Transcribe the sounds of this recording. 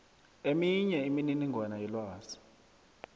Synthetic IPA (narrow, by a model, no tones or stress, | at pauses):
emiɲɛimininiŋɡʱwanajɛlwaːzi̥